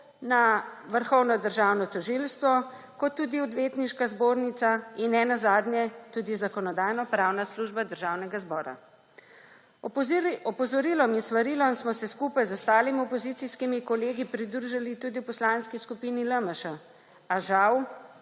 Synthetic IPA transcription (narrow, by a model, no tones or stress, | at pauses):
naʋəɾxɔwnɔd̪əɾʒawnɔt̪ɔʒilst̪ʋɔ | kɔt̪ːuːd̪iɔd̪ʋeːt̪niʃkazboːɾnit̪sainːɛnazaːd̪njɛt̪uːd̪izakɔnɔd̪aːjnɔpɾaːwnasluːʒbad̪əɾʒawnɛɡazbɔːɾa̰ | ɔpɔzɔɾiːlɔminsʋaɾiːlɔsmɔsɛskuːpajzɔst̪aːlimiɔpɔzit̪siskimikɔleːɡipɾid̪ɾuʒalit̪uːd̪iwpɔslaːnskiskupiniləməʃa | aʒaw